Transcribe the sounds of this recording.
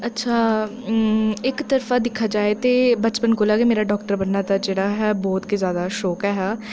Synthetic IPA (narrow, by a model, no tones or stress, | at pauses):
ɐtːʃʰaː | ɪkt̪əɾfaːd̪ɪkʰːaːd͡ʒaːet̪eːbət͡ʃpənkoːlaːɡemeːɾaːɖɔːkʈəɾbənːaːt̪ad͡ʒeːɽaːɦɛːbɔːt̪kezjaːd̪aːʃɔːkɛːɦɛː